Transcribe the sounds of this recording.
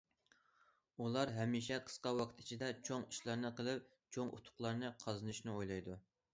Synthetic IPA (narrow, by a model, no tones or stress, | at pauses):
ulˠɑɾɦɛmiʃɛqʰə̥sqɑwɑqʰt̪ʰit͡ʃʰid̪ɛt͡ʃʰoŋiʃlˠɑɾnɨqʰəlˠɨp̚ | t͡ʃʰoŋʔṵt̪ʰʊ̥χlˠɑɾnɨqʰɑzɨnɨʃnɨojlˠɑjd̪u